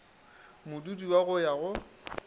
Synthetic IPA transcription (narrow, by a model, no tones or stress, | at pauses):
mʊdudiwaɣʊjaɣʊ